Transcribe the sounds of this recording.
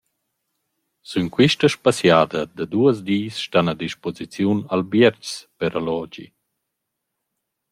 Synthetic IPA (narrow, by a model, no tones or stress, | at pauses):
synkwiʃtəʃpasjaːd̪əd̪ad̪uəz̬d̪iːsʃtanad̪iʃpɔzit͡sjunalbjɛɾt͡ʃspɛɾalɔd͡ʒḭ